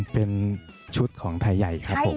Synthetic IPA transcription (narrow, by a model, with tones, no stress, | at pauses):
pe˧nt͡ɕʰu˦˥t̪̚kʰɔː˩˦ŋt̪ʰaː˧jːa˨˩jkʰɾa˦˥pʰːo˨˩˦